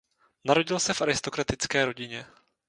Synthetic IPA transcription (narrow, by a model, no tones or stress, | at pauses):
naɾo̞ɟɪlsɛfʔaɾɪst̪o̞kɾat̪ɪt͡skɛːɾo̞ɟɪɲɛ